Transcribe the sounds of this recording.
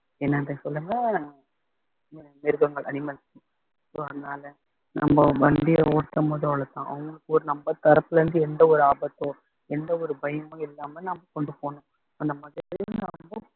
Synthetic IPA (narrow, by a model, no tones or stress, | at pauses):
ɛnːɐnðɐ̃sɔlːɐŋɐ | mɪɾɯkɐŋɡɐɭʔɐnɪmɐlsĩ | soːɐðɐnaːlɐ | nʔɐ̰mːɐʋɐɳɖɪjɐɔɽt̪ːɐmoːðɐʋɭɐt̪ãːʔɐ̰ʋɐŋɡɐɭɯkːɯɔɾɯnɐmbɐt̪ːɐɾɐpːɯlɐɾɐnd̪ɯɛnd̪ɐɔɾɯaːbɐt̪ːõː | ɛnd̪ɐɔɾɯbɐjɐmõːɪlːaːmɐnɐmɐkɔɳɖɯpːoːɳʊ̃ | ɐnd̪ɐmaːðɪɾtːɾɪɪnɐmbɐ